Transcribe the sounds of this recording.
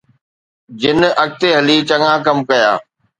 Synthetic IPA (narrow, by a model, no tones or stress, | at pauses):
d͡ʑɪnɐk̚t̪eɦɐlit͡ɕɐŋãːkɐmkɐja̰ː